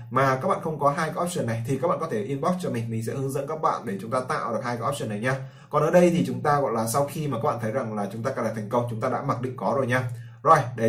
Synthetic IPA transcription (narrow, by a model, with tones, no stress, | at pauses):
maː˨˩kaː˦˥k̚ɓa̰ː˧˨xə˧wŋ͡mkɔ˨˦ɦaː˧jka˨˦˥ʔɔ˦˥p̚sə˧˩nːa˨˩jt̪ʰi˨˩kaː˦˥ɓa̰ː˧˨kɔ˨˦t̪ʰe˧˩ʔi˧ənɓɔ˦˥t̚t͡ɕɔ˧mï˨˩ŋ̟mï˨˩ŋ̟sɛ̰˧˥hɨ˨˦ŋzə̰˧˥nkaː˦˥k̚ɓa̰ː˧˨nɗe˧˩t͡ɕʊ˨˦ŋ͡mt̪aː˧t̪a̰ː˧˨wɗk̚haː˧jkːa˨˦˥ʔɔ˦˥p̚səː˧˩na˨˩jɲaː˧ | kɔ˨˩nʔəː˨˦ɗə˧jt̪ʰi˨˩t͡ɕʊ˨˦ŋ͡mt̪aː˧ɣɔ̰˧˨jlaː˨˩sa˧wxi˧ma˨˩a˦˥ɓa̰ː˧˨˩t̪ʰjza˨˩ŋlaː˨˩t͡ɕʊ˨˦ŋ͡mt̪aː˧kaː˧˩laː˨˩t̪ʰŋ̟kə˧wŋ͡mt͡ɕʊ˨˦ŋ͡mt̪aː˧ɗa̰ː˧˥ma˨˩k̚ɗḭ˧˨ŋkɔ˨˦zo˨˩jɲaː˧ | zo˨˩jɗe˧˩